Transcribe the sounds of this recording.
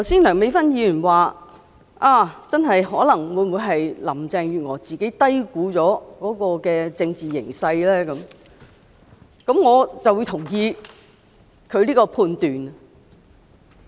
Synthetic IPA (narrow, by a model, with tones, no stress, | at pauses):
t̪ʰɐ˨˩wsiː˥nlœː˨˩ŋme˨˧jfɐ˥njiː˧jyː˨˩nwaː˨ | ʔaː˥˩t͡sɐ˥nɦɐ˨jɦɔː˨˥lɐ˨˩ŋwuː˨˧jmwuː˨˧jɦɐ˨jlɐ˨˩mt͡sɛː˨˧ŋjyː˨˩ŋɔː˨˩t͡siː˨˩ke˨˥jt̪ɐ˥jkuː˨˥t͡sɔː˨˥kɔː˨˥kɔː˧kɛː˧t͡sɪ˧ŋt͡siː˨jɪ̰˨˩ŋsɐ˧jlɛː˥kɐ˨˥m | kɐ˨˥mŋɔː˨˧t͡sɐ˨wuː˨˧jt̪ʰʊ˨˩ŋjiː˧ | kʰɵ˨˧liː˥kɔː˧pʰuː˧nt̪yː˨n